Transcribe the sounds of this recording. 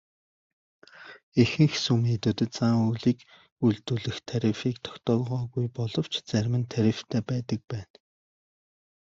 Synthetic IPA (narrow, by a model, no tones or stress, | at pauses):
exɘ̆ŋxsumiːt̪ɵ̆t̪̆t͡saŋuːɮiːk | uɮt̪uːɮɘ̆xt̪ʰaɾʲifiːkt̪ʰɔ̥kt̪ɔːlʁɔːɣujpɔɮɞ̆w̥t͡ɕʰt͡sæɾʲmɘ̆nt̪ʰaɾʲift̪ʰæːpæːt̪ə̆k̚pæːn